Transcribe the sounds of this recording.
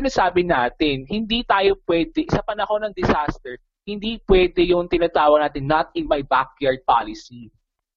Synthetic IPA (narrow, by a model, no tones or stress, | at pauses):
ɪnasaːbɪnaːt̪ɪnhɪnd̪iːt̪aːjo̞pwɛd̪ɛʔɪsɐpɐnɐko̞nɐŋd̪ɛsast̪ɛɹ | hɪnd̪ipwɛd̪ɛjʊŋt̪ɪnat̪aːwɐɡ̚naːt̪ɪnːɐt̪ɪnmajbak̚jaɹd̪̚pa̰lɪsi